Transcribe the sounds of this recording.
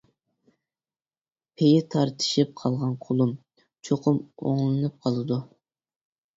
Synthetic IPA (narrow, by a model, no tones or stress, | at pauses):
pʰejɪt̪ʰɑɾt̪ʰɨ̥ʃip̚qʰɑlˠʁɑnqʰolˠum | t͡ʃʰoqʰʊmo̰ŋlˠɨnɨp̚qʰɑlˠɨd̪u